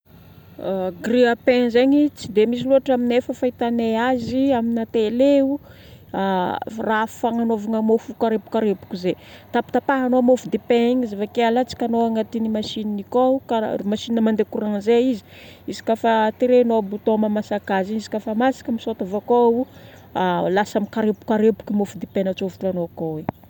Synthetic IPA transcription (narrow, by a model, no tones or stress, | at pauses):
ɡriapẽnzeɲit͡sid̪emis̬iluɦaʈ͡ʂaminefəfait̪aneaziaminat̪eleu | arafaŋanovaŋamofukaɾepu̥kaɾepu̥kize | t̪api̥t̪apaɦanoamofud̪epeiɲizevakalat͡si̥kʲanoaŋat̪inimaʃininikoukamaʃininəmand̪ekuɾaŋzeizi̥ | izi̥kafat̪iɾenoabut̪omamasakaziɲizi̥kafamasi̥kəmisot̪avakou | alasamikaɾepu̥kaɾepu̥kimofud̪epenət͡sovut̪uanokowe